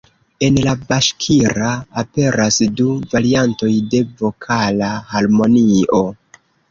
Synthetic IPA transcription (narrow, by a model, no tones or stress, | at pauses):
e̞nlabaʃkʰiɾaːpe̞ɾasduvaɾianto̞jde̞vo̞kʰalahaɾmo̞nio̞